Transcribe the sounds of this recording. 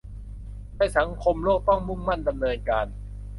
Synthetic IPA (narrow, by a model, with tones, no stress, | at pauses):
daː˥˧˥jsa˩˦ŋkʰo˧mlo˥˩k̚t̪ɔ˥˩ŋmu˥˩˨mːa˥˩nda˧mnɤː˧nkaː˧n